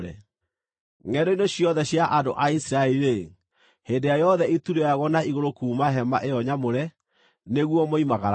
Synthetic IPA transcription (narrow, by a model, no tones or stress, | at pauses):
ɾɛ̰ | ŋɛdɔinoɕjɔðɛɕjaʔadoʔaisɾaɛɾiɾe | heːndejajɔðɛituɾeaɣwɔnaiɣoɾokuːmaɦɛmaʔejɔɲamoɾɛ | neɣwɔmɔimaɣaɾ